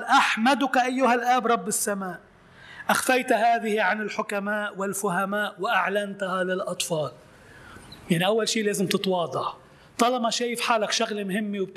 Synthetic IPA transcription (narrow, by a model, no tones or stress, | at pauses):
lʔaħmad̪ʊkaʔajːʊhalʔaːbɾˤɑbːɪsːamaːʔ | ʔaxfajt̪haːðɪhiʕanɪlħʊkamaːʔwɪlfʊhamaːʔwɪʔaʕlant̪halɪlʔɑt̪ˤfɑːl | jaʕniʔawːalʃiːleːzɪmt̪ɪt̪wɑːd̪ˤɑʕ | t̪ˤɑlɑmaʃaːjɪfħaːlakʃaɣlmhɪmːewb̚t̪